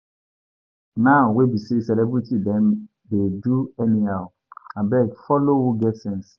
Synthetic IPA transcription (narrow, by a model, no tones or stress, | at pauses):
naʊwebisesɛlɛbɾitidɛ̃n | deduɛniaʊ | abɛɡfɔlowuɡɛtsɛ̃ns